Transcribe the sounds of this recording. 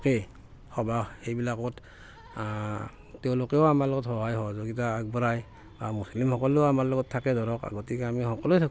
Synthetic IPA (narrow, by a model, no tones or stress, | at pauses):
kɛ | hɔbahejbilakɔt | tɛʊ̃lokɛɔamalɔɡɔthɔɦajɦɔzɔɡitaːɡ̚bɔɹaj | bamuslimhɔkɔlɛamaɹlɔɡɔtʰːakɛdɔɹɔka̰ɡɔtikɛamihɔkɔlojtʰak